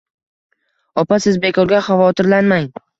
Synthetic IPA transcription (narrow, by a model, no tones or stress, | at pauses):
ɒpasɪzbe̞kʰɒɾɡʲaχavɒt̪ʰɪɾlanmaŋ